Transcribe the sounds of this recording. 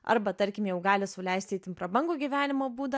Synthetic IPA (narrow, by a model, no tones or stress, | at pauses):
ɐ̰ɾbɐt̪ɐɾʲkʲɪmjɛʊɡɑːlʲɪsʊlʲɛɪst̪ʲɛɪt̪ʲɪnpɾɐbɐŋɡuːɡʲiːʋʲæːnʲɪmoːbuːd̪ɐ